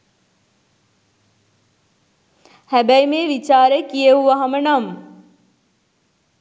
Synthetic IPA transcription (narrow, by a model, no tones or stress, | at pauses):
hæbæjmeːʋit͡ʃaːɾəkijəɦuʋaɦamənam